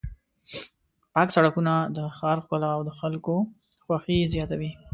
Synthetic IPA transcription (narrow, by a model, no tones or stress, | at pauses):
pɑksaɽakunad̪əxɑɾxkʊlaːwd̪əxalko | xwaxizjɑt̪awi